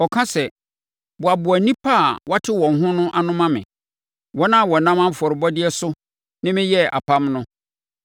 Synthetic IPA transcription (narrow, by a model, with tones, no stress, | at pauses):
ɔ˨kʰã˦sɛ˨ | bʊ˨a˨bʊ˨æ˨nĩ˦pʰa˦˨wa˦tʰɪ˦wɔ̃˨n̩˨ɦʊ̃˦nʊ̃˦ʔa˦nʊ̃˦mã˦mɪ̰̃˨ | wɔ˦nã˦˨wɔ˨nã˦mã˦m̩˨fɔ˨ɾɪ˨bɔ˦dɪ˦ɛ˦sʊ˦ | nɪ̃˦mɪ̃˦jɛ˦a̰˨pʰã˦mnʊ̃˦